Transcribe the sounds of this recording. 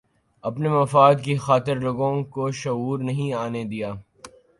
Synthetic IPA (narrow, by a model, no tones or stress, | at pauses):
ɐpnemɐfaːd̪kixaːt̪ɪɾloːɡõkoʃɐuːɾnɐɦĩaːned̪ijaː